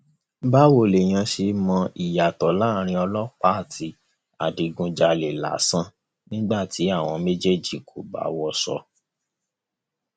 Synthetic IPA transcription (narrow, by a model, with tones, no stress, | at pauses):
ba˦wo˨le˨j̃ã˧ʃi˧mɔ̃˧i˨ja˨tɔ˨la˦˨ɾ̃ĩ˧ɔ˧lɔ˦k͡pa˦˨tʰi˨˦ | a˨di˨ɡũ˧d͡ʒa˧˨le˨la̰˨˦sã˦ | nĩ˦ɡ͡ba˦˨tʰi˨˦a˦˨w̃ɔ̃˧me˦d͡ʒe˦d͡ʒi˦˨kʰo˨ba̰˨˦wɔ˧sɔ̰˧